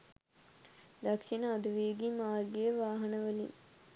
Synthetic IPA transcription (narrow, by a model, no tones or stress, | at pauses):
d̪akʂinəad̪uʋeɡimaːrɡejəʋaːɦɐnəʋəlḭn